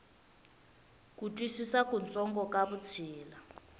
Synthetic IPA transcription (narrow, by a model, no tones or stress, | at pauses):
k̬ʼutʼwisisakʼunt͡sʼɔŋɡɔkʼaβut͡sʰiːla